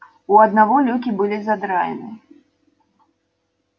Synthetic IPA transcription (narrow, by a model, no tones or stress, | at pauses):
uɐd̪navɔlʲukʲibɨlʲizad̪ɾajɛ̰nɨ